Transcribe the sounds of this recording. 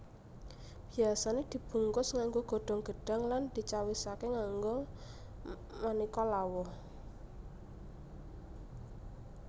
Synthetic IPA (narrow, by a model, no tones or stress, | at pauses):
b̥iasaned̪̥i̤b̥uŋkʊsŋaŋɡoɡ̥ɔ̤ɖ̪̥ɔ̤ŋɡ̥ə̤ɖ̥a̤ŋland̪̥i̤t͡ʃawisakeŋaŋɡo | manikɔlawɔh